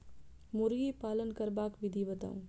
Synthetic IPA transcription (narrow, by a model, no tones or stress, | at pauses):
muɾɡiːpaːlənkɐɾbaːkʋid̪ʱiːʋɐt̪ɐ̰̃m